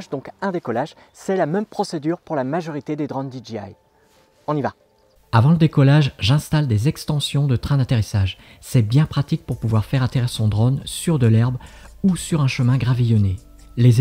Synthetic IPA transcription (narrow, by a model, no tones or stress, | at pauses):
ʒd̪ɔ̃kɛ̃d̪ekɔlaʒ | sɛlamɛmpχɔsed̪yʁpuʁlamaʒɔʁit̪ed̪ed̪ʁɔnd̪id͡ʒia̰j | ɔ̃niva | avɑ̃ləd̪ekɔlaʒʒɛ̃st̪ald̪ezɛkst̪ɑ̃sjɔ̃d̪ət̪χɛ̃d̪at̪eʁisaʒ | sɛbjɛ̃pχat̪ik̚puʁpuvwaʁfɛʁat̪eʁiʁsɔ̃d̪ʁɔnsyʁd̪əlɛʁbusyʁɛ̃ʃəmɛ̃ɡʁavijɔne | le